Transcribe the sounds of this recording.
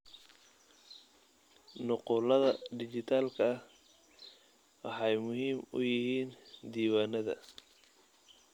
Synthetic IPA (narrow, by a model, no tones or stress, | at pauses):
nʊqʊːlɐðɐɖɪt͡ʃɪt̪ʰaːlkʰɐh | wɑħɑjmʊɦiːmʊ̰jɪhiːnd̪iːwaːnɐðɐ̰